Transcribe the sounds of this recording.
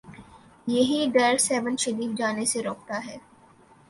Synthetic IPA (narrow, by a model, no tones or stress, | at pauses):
jeɦiɖɐɾsɛːʋə̃nʃɐɾiːfd͡ʒaːneseɾoːk̚t̪aɦɛː